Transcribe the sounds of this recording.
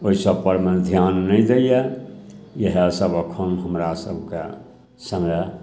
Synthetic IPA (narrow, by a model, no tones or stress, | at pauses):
oisəbpəɾmed̪ʱjanːəɪd̪eje | jəɦesəbəkʰənɦəmɾasə̰bʱkḛ | səmɛ